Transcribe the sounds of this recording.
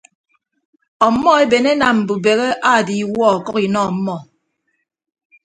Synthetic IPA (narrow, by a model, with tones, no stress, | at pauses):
ɔ˨˦mɔ˦e˦be˨ne˦na˨m̩˨bu˨be˨ɣe˦ʔa˦˨di˨˦wɔ˦˨kɔ˦ki˨nɔ˦˨m̩˦mɔ˦˨